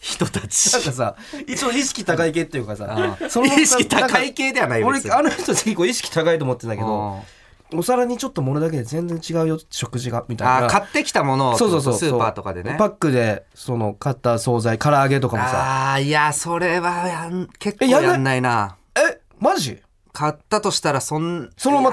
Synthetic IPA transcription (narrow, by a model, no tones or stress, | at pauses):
çi̥t̪ot̪at͡ɕi̥akasa | t͡ɕot̪ːoiɕ̬i̥kʲit̪akaikeːt̪ːejɯ̟kasa̰so̞noit̪akaike̞ːd̪e̞βanaioɾeanoçt̪ozeçʲiko̞ːiɕ̬i̥kʲi̥t̪akait̪oːmot̪ːend̪ake̞d̪o̞ | osaɾaɲ̟it͡ɕo̞t̪ːo̞mo̞no̞d̪ake̞d̪ezẽ̞nd͡zẽ̞ɲt͡ɕiɡaɯ̟joɕo̞kɯ̟ʑiɡamʲit̪aaiakat̪ːe̞kʲi̥t̪amo̞nosoːso̞ːsoːsɨːopa̰ːt̪o̞ka̰d̪enepakːɯ̟d̪e̞ | so̞no̞kat̪ːaso̞ːzaikaɾaːɡe̞t̪̬o̞kamosa̰iaso̞ɾe̞βajanke̞kːeojaanj̪ːanːaina | e | maʑi | kat̪ːat̪o̞ɕi̥t̪aɾasõ̞nsonoma